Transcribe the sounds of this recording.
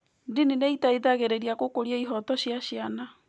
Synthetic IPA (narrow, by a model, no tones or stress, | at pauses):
dinineitaiðaɣeɾeɾiakokoɾiaiɦɔtɔɕjaɕjana